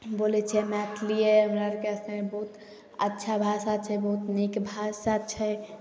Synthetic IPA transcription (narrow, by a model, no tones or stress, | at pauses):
bolɛt͡ʃʰɛmɛt̪ʰlijeɦəmɾaɾkeəsnebəɦut̪ | ətːʃʰabʱasat͡ʃʰɛbəɦut̪nikbʱasat͡ʃʰɛ